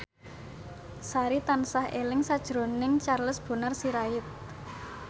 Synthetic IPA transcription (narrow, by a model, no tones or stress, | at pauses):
saɾit̪ansahelɪŋsad̥ʒ̥ɾo̤nɪŋt͡ʃarləsb̥o̤narsiɾaɪt̪̚